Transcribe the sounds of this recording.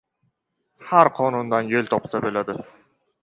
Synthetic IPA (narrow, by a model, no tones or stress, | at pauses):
haɾqʰɒnund̪anjelʲt̪ʰɒpsabelad̪ɪ